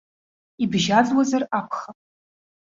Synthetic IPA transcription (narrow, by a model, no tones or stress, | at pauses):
ibʒad͡zwazarapʰχapʼ